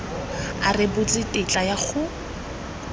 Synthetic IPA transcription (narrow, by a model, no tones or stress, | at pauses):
arɪbʊt͡sʼɪtʼɪt͡ɬʼajak͡xʰʊ